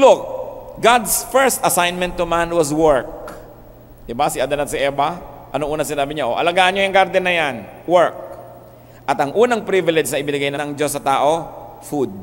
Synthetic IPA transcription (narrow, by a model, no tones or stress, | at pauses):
lʊk̚ɡad̪sfɛɹst̪ɐsajnmɛnt̪ːʊmanwɐswɛɹk̚ | d̪ɪbasɪʔad̪ɐnɐt̪sɪʔɛːbɐʔɐnoŋʔuːnɐŋsɪnaːbɪɲaʔoʔɐ̰lɐɡaːʔɐnɲjojʊŋɡaɾd̪ɛnɐjanwɛɹk̚ | ʔɐt̪ɐŋʔuːnɐŋpɾivɪlɛd͡ʒnɐʔɪbɪnɐɡajnɐnɐŋd͡ʒo̞sːɐt̪aːʔo̞fud̪̚